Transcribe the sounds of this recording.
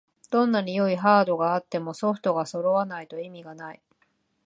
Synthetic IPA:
d̪̥õ̞nːaɲʲijo̞iɦaːd̪o̞ɡaːt̪ːe̞mo̞so̞ɸɯ̟̥t̪o̞ɡaso̞ɾo̞βanait̪o̞imʲiɡanai

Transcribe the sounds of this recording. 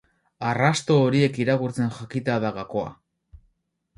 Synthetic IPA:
arast̪o̞ːɾie̞kiɾakuɾt͡se̞nʝakit̪aðaɣako̞a̰

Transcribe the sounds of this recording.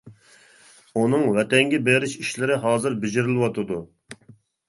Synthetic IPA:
unɨŋwɛt̪ɛŋɡʲɛbeɾɪʃiʃlɪɾɪɦɑːzɨɾbɪd͡ʒɪɾɪlˠɪwɑt̪ʰɨd̪u

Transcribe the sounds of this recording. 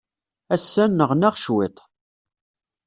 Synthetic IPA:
æsːænːəʁnæʁʃwɪt̪ˤ

